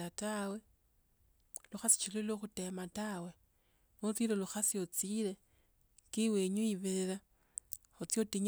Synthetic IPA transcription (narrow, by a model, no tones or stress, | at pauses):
atawe | luxasi̥t͡ʃiloloxute̞matawe | lot͡sileluxasiot͡sile | kiweɲuiβeɾeɾa | xut͡sjotiɲ